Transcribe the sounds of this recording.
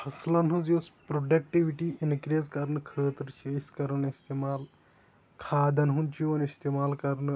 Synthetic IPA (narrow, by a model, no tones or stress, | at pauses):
hʰɐslɐnɦuzospɾoɖɐk̚ʈiʋiʈiinkɾeːzkɐɾnɨkʰəːt̪ɾt͡ʃʰiiskɐɾɐnist̪eːmaːl | kʰaːd̪ɐnɦunt͡ʃʰiɐnist̪eːmaːlkɐɾnɨ